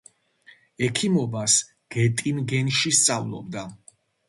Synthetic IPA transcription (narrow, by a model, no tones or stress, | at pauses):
ɛkʰimɔbas | ɡ̥ɛt̪ʼinɡɛnʃist̪sʼavlˠɔ̰b̚d̪a